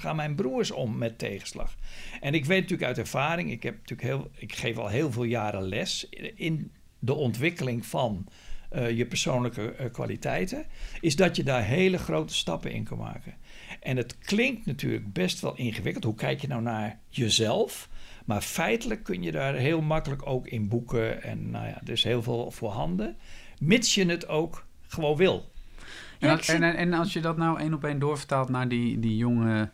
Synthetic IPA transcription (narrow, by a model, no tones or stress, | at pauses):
xaːnmɛjnbruəɹsɔmːɛtʰːeːχə̥slɑ̰xʔɛnɪkʋejtnatyːləkœɥtɛɹv̥aːɾɪŋɪkhɛptʰylkhɪkχeːfɔ̰lˠɦeːlˠveːlˠjaːɾəlɛsɪn | dəʔɔntʋɪkəlɪŋfɑn | jəpərsoːnləkəkʋa̰litʰɛjtəɪsdɔtjədarɦeːləχrowtə̥stɑ̰pə̰ɪ̰nkʰənma̰ːkəʔɛnətkʰlɪŋk̚tnatʰy̰ːrləɡ̚bɛstʋɔ̰lˠʔinχəʋɪkəlˠthukʰɛjkjənawnaɹ | jəzɛlˠfmaɹfɛjtələkʰːønjədaːɹɦeːlˠmakələkoːkɪnbukʰəɛ̰nːo̰ja̰dəɪsheːlˠveːlˠfoːhɑndə | mɪtsjənətʰoːk | χəʋoːnʋɪlˠ | ɛnɑlˠsjədɔtnawejnɔpejndʊːfə̥talˠtnaɹdidijoŋə